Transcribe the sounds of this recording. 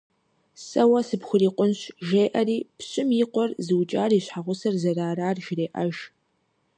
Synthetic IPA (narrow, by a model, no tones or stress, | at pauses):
sɐwɐsɨpxʷʊriːqʷʼʊnɕʒeːʔɐɾiːpɕʼɪmjɪqʷɔrzɨwt͡ʃʼaːriːɕħaʁʷʊsɐrzɐraːɾaːrʒɪreːʔɐ̰ʒ